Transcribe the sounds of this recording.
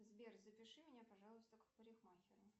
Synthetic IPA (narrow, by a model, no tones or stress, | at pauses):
zbʲerzəpʲɪʂɨmʲɪnʲapɐʐɑlˠʊst̪əkə̥pəɾʲɪxmaxʲɪɾʊ